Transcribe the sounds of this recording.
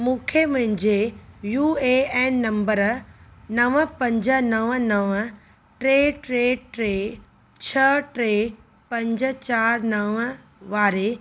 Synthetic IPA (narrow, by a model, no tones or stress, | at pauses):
mũːkʰemɐ̃ɦɪ̃ɲd͡ʑejuːeɛːnːɐ̃mbəɾnɐʋəpɐ̃ɲd͡ʑə̆nɐʋənɐʋə | ʈɾeːʈɾeːʈɾeː | t͡ɕʰɐʈɾeː | pɐ̃ɲd͡ʑə̆t͡ɕaːɾnɐʋə | ʋaːɾe